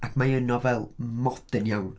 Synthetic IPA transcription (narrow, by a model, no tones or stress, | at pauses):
akʰmaənɔvɛlˠmɔd̥ənjawn